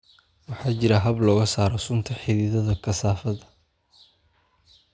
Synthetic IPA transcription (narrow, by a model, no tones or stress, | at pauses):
wɑħɑːt͡ʃɪɾɐɦɐblɔːɣɐsaːɾɔsʊnt̪ʰɐħɪðɪːðɐðɐkʰɐsaːfɐðɐ